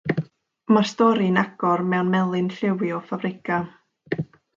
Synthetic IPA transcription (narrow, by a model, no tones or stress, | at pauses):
marstɔɾinaɡ̥ɔrmɛwnmɛlˠɨnɬɪwjɔfabɾɪkʰa